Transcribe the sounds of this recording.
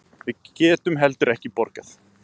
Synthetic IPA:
vɪðcɛːt̪ʏmɦɛlt̪ʏɾɛhcɪpɔɾkaθ

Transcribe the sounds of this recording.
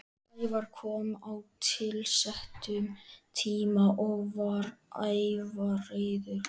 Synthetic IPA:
ajvaɾ̥kʰɔːmawt̪ʰɪlsɛht̪ʏmt̪ʰiːmaʔɔɣvaɾajvareːjðʏɾ̥

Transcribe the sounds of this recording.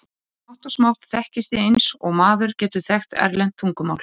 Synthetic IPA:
ɔht̪ɔsmawt̪θɛhcɪst̪ɪejnsɔɣmaːðʏɾcɛːt̪ʏθɛxt̪ɛ̰ɾlɛjnt̪fuŋkʏma̰wl̥

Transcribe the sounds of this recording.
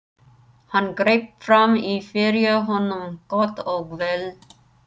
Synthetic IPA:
hɑnɡɾeːp̚fɾɑmifeɾjəɦɔnːɔmɡ̥ɔt̪ɔɡʋɛl

